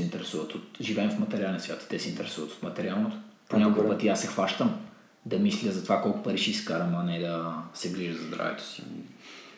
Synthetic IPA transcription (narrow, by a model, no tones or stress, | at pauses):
int̪ɛɾɛsuvət̪ot̪ʒivɛɛmfmɐt̪ɛɾʲialɛnsvʲjat̪t̪ɛsɛint̪ɛɾɛsuvət̪o̥t̪mɐt̪ɛɾʲialˠnot̪o̥poɲʲakokəpət̪iasɛxvaʃt̪əm | d̪ɐmislʲəzɐt̪ovakɔlˠkʊ̥pɐɾiʃiskaɾɐmanɛd̪ɐsɛbliʒəd̪zzd̪ɾa̰vɛ̰t̪o̥si̥